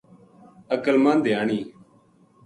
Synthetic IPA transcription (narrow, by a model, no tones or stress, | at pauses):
əkəlmãːnd̪ejaːɳiː